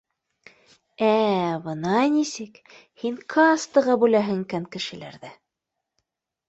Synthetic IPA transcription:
æbɤ̆nɑnisɘk | hiŋkʰɑːst̪ɤ̆ʁɑbʉlæɦɘ̆ŋkæŋkɘ̆ʃɘ̆læ̰ɾðæ

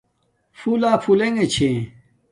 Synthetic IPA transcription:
fulaːfuleŋet͡ɕʰẽ

